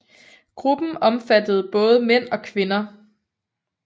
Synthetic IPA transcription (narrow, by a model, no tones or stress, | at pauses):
ɡ̥ʁub̥n̩ɒ̽mfæd̥əð̩ˠb̥ɔ̽ːð̞ˠəmen̰ɒ̽kʰʋe̝nɐ